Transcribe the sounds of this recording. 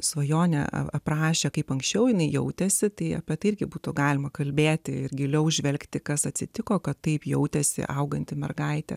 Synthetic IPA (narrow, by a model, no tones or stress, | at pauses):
sʋɐjoːnʲɛ̰ɐ̰ɐprɑːʃʲeːkɐɪpɐŋksʲt͡ʃʲɛʊjɪnɐɪjɛʊt̪ʲɛsʲɪt̪ɐɪɐpʲɛt̪ɐɪɪrʲɡʲɪbuːt̪ʊɡɑːlʲɪmɐkɐlʲbʲeːt̪ʲɪɪrɡʲɪlʲɛʊʒʲʋʲɛlʲkt̪ʲɪkɐsɐt̪ʲsʲɪt̪ʲɪkoːkɐt̪ːɐɪpjɛʊt̪ʲɛsʲɪ̰ʔɐʊɡɐnʲt̪ʲɪmʲɛ̰rɡɐɪt̪ʲɛ̰